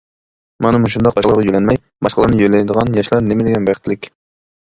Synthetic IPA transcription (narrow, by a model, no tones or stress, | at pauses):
mɑnɨmuʃ̬und̪ɑq̚bɑʃlˠəɾʁɑjølɛnmɛj | bɑʃqəlˠɑɾnɨjøjlɛjd̪əʁɑnjɑʃlˠɑɾnemɪlɪɡʲɛnbɑjqət̪ʰlɪkʲ